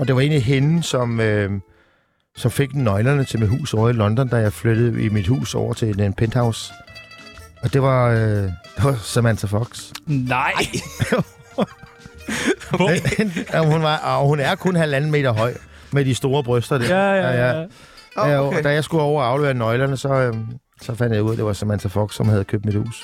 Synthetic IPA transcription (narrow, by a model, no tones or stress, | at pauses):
ɒ̽d̥e̝ʋɑ̈e̝ːnliɦe̝nsɒ̽mø | sɒ̽mfeɡ̥nɒ̽ɪlɐnət͡sʰe̝lmid̥ɦṵːsɒʊ̰ɐilɒ̽nd̥ɒ̽nd̥æjɑ̈ɪfløɾ̥ð̩ˠimid̥hṵːsɒʊ̰ɐt͡sʰe̝nenpʰend̥hɑ̈ʊs | ɒ̽d̥e̝ʋɑ̈ | d̥e̝ʋɑ̈semænsʰæfɒɡ̥s | hunʋɑhunæɐkʰɔ̽nhælænn̩me̝̰ːd̥ɐɦɒ̽ɪ̰ | med̥isd̥o̝ːɐb̥ʁøsd̥ɐd̥eɐjæ | d̥æjɑ̈ɪsɡ̥uɒʊ̰ɐɑ̈ʊløɐnɒɪlɐnəsɒ̽ø | sɒ̽fænd̥jɑ̈uð̰ˠɐd̥e̝ʋɑ̈sæmænt͡sʰæfɒ̽ɡ̥sːɒ̽mhæð̞̩ˠkʰøːb̚d̥mid̥hṵːs